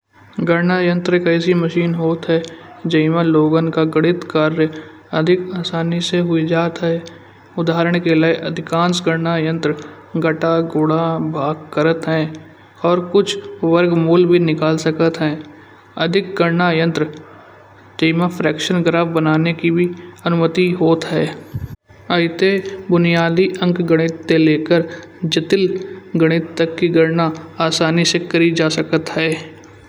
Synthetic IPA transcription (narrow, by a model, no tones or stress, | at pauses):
ɡəɾnaːjə̃nt̪ɾkəɪs̬iməʃiːnɦoːt̪ɦɛd͡ʒɐɪmãloːɡənkaɡəɽɪt̪kaːɾɾjə | ɐd̪ʱɪkaːsaːniseɦʊid͡ʒaːt̪ɦɛː | ʊd̪ʱaːɾəɽ̃kelaeʔɐd̪ʱɪkãːnsɡəɾnajə̃nt̪ɾə | ɡɐʈaɡʊːɽabʱaːɡkəɾət̪ɦɛ̃ː | ɔːɾkʊt͡ʃʰʋəɾɡmuːlbʱinɪkaːlsəkət̪ɦɛ̃ː | əd̪ʱɪk̚ɡəɾnajə̃nt̪ɾə | d͡ʒəɪmapʰɾɛːkʃənɡɾaːfbənaːnekibʱiɐnʊmət̪iɦoːt̪ɦɛː | əɪt̪ebʊnijaːd̪iʔə̃ŋɡɡəɽ̃ɪt̪ːeleːkəɾ | d͡ʒɪt̪ɪlɡəɽ̃ɪt̪ːəkːiɡəɾnaaːsaːnisekəɾid͡ʒaːsəkət̪ɦɛː